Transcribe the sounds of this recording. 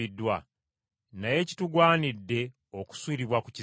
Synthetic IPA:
idːwa | naje̞ːci̥tuɡwaːnidːe̞ | o̞ku̥swiːɾiβwaku̥ci

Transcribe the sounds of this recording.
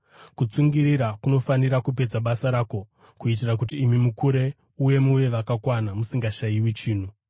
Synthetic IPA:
kut͡suŋɡiɾiɾakuno̞faniɾakup̬e̞d͡zaɓasaɾaːko̞ | kuit̬irak̬utiːmimukuɾe̞ | uje̞muʋe̞ʋakakwanamusiŋɡaʃaiwit͡ʃiːn̤u

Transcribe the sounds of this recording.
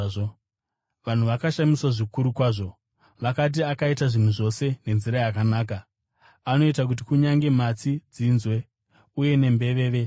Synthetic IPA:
ʋan̤uʋakaʃamiswaʐikuɾukwaːʐo̞ | ʋakat̬iakaitaʐin̤wuʐo̞se̞ne̞nziɾajakanaːk̬a | ano̞itak̬ut̬ikuɲaŋɡe̞mat͡sid͡zinzwe̞ | uje̞ne̞mbe̞ʋe̞ːʋe̞

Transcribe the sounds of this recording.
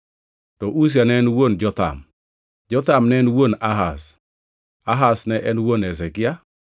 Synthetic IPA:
tɔʔus̬janɛnwond͡ʒɔt̪a̰m | d͡ʒɔt̪amnɛnwonaɦas | aɦasnɛʔɛnwonɛsɛkɪa

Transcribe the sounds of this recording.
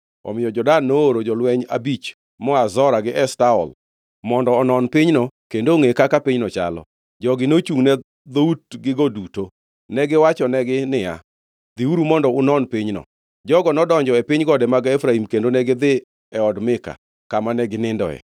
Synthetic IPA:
ɔ̰mɪjɔd͡ʒɔdanːooɾod͡ʒɔlwɛɲa̰bit͡ʃ | mɔazɔɾaɡɪʔɛstaɔ̰l | mɔndɔːnɔnpɪɲnɔkendoŋekakapɪɲnɔt͡ʃa̰lɔ̰ | d͡ʒɔɡɪnot͡ʃuŋnɛ | d̪outɡɪɡɔduto | nɛɡɪwat͡ʃɔnɛɡɪnɪja̰ | d̪iuɾumɔndɔʊnɔnpɪɲnɔ̰ | d͡ʒɔɡɔnɔdɔɲd͡ʒɔepɪɲɡɔdɛmaɡefɾaimkendonɛɡɪd̪ɪ | ɛɔdmɪka̰ | kamanɛɡɪnɪndɔ̰ɛ̰

